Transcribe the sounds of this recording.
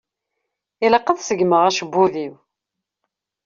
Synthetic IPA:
iləqːəðsəɡməʁæʃəbːuðiw

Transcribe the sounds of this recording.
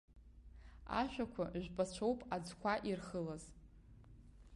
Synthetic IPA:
a̰ʃᶣʷakʷʰaʒʷᶣpʼat͡ɕʷʰowpʼad͡zkʷʰaʔirχəlaz

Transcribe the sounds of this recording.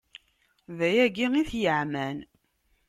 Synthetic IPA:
væjæɡiŋiθjəʕmæn

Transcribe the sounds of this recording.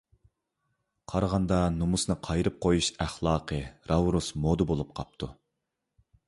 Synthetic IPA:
qʰɑɾʁɑnd̪ɑnumusnɨqʰɑjɾɨp̚qʰojuʃæχlˠɑːqʰəɾɑwɾusmod̪ɨbolˠup̚qʰɑp̚t̪ʰu

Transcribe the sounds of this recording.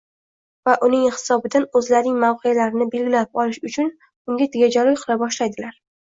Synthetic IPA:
vaʔʊnɪŋhɪ̥sɒbɪd̪anɵzlaɾnɪŋmawqʰejalaɾɪnɪbe̞lɡʲɪlaɪp̚ɒlɪʃʊt͡ʃʰʊn | ʊŋɡʲat̪ʰɪɡʲad͡ʒalɒjqʰɨlˠabɒʃlajd̪ɪlaɾ

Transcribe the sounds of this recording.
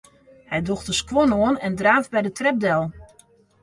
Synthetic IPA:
hɛjdɔxtəskwɔnoənɛndraːvbɛjdətrɛb̚dɛlˠ

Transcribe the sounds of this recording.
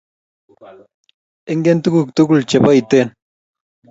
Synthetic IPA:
eŋɡent̪ukuk̚t̪ukult͡ʃepajt̪en

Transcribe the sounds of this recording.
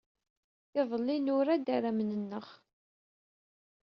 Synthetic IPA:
ɪðˤəlːinʊɾad̪aɾæmənənːəχ

